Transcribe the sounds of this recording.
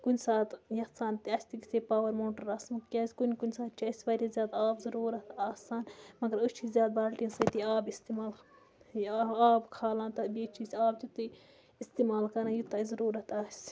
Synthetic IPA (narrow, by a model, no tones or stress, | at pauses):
kunʲsaːt̪jɐsaːnt̪iɐːsʲt̪ikisʲepaːwɐɾmoːʈɐɾaːsmɨkkʲaːsʲkunʲkunʲsaːt̪̚t͡ʃʰiɐsʲʋaːɾʲizʲjaːd̪aːbzɐɾuːɾɐt̪aːsaːnmɐɡɐɾət͡ʃʰizʲjaːd̪̚baːlʈinsɐt̪iaːbist̪imaːl | aːbkʰaːlãːnt̪ɐbʲiːt͡ʃʰisʲaːbt͡ʃ̪ut̪ɨ | ist̪imaːlkɐnãːjut̪ɐzɐɾuːɾɐt̪aːsʲ